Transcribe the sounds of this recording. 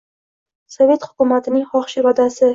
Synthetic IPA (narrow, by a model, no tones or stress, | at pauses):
sɒve̞t̪hʊ̥kʊmat̪ʰɪnɪŋhɒχʃɪvad̪asɪ